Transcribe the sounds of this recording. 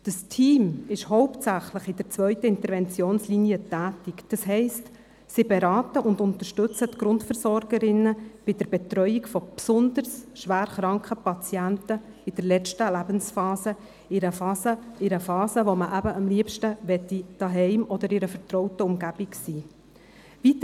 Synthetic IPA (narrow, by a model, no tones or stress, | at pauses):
d̥əstʰiːmɪʃhɔʊptsæχləχɪd̥əɾt͡svœʏtəɪnt̪əɾvɛnt͡sjoːnsliniətæːtikd̥ɑsɦɛɪst | sibɛɾɑːtəʔʊndʊntəɾʃtɵt͡sətɡɾʊntfəɾsɔɾɡ̥əɾɪnːəb̥ɪd̥əɾbɛt̪ɾœʏikfɔpsʊndəɾsʃʋæːɾχɾɑŋkχəpɑt͡siæntə | ɪd̥əɾlɛt͡ʃtəlæbənsfɑːsə | ɪɾəfɑːsəɪɾəfɑːsəʋoməʔæbəɑmliəpʃtəʋɛtːid̥ɑɦɛɪmɔd̪əɾɪɾəfəɾtɾɔʊtəʊmɡæb̥iksiː | vit̪